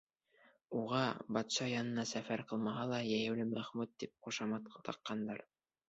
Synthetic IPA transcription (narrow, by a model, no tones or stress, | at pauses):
uʁɑbɑt̪ʃɑjɑnɤ̆nɑsæfæɾqɤ̆lˠmɑɦɑlˠɑjæjɘ̆wlɘmɾæχmut̪̚ːip̚quʃɑmɑt̪qt̪ɑ̰qːɑnd̪ɑɾ